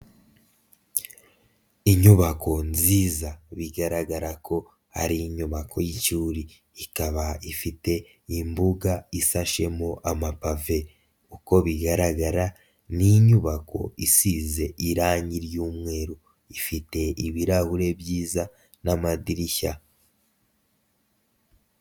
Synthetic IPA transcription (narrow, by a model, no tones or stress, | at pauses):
iɲuβako̞nziːzaβiɡaɾaɡaɾakʰo̞ | ha̰ɾiɲuβakʰo̞jicuːɾiː | kaβaifite̞ | imbuɡaisaʃe̞moʔamapave̞ | uko̞βiɡaɾaɡaɾa | niɲuβako̞̰isize̞ʔiɾaːɲiɾjuːmŋe̞ːɾo | ifite̞iβiɾahuɾe̞bjiːza | namadiɾiça